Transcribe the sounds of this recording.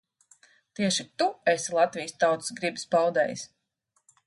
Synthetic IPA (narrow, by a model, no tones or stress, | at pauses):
t̪iɛʃit̪uesilˠat̪vijst̪awt̪ɨ̥sɡɾibspawd̪ɛ̰ːjs